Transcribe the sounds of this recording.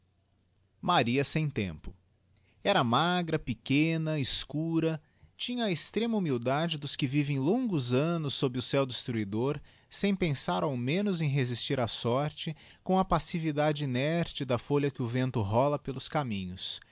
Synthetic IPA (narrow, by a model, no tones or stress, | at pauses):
maɾiɐsẽj̃t̪ḛ̃mpʊ | ɛɾɐmaɡɾɐpɪkẽnɐɪskuɾɐ | t͡ʃĩɲɐest̪ɾẽmɐumiwd̪ad͡ʒɪd̪ʊskɪvivẽj̃lõŋɡʊzɐ̃nʊsːobɾɪʊsɛwd̪ɪst̪ɾuid̪oɾ | sẽj̃pẽsaɾawmẽnʊzẽj̃ɦezist͡ʃiɾasɔɾt͡ʃɪ | kõɐpasivid̪ad͡ʒɪinɛɾt͡ʃɪd̪ɐfoʎɐkɪʊvẽnt̪ʊɦɔlɐpelʊskamĩɲʊs